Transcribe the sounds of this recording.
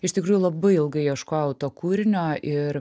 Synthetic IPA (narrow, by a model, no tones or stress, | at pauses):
ɪʃʲt̪ʲɪkɾuːjʊlˠɐbɐɪɪlˠɡɐɪiʃkoːjɛʊt̪oːkuːɾʲɪnʲoːʔɪɾ